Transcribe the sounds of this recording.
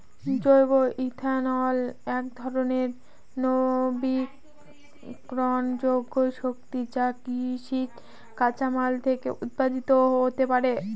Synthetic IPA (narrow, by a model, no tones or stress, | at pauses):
d͡ʑojboʔit̪ʰanɔlɛkd̪ʱɔɾoneɾ | nobi | ɾɔnd͡ʑoɡːoʃok̚t̪id͡ʑakiʃikː | at͡ɕamalt̪ʰekḛʔut̪̚pad̪it̪oɦot̪epaɾe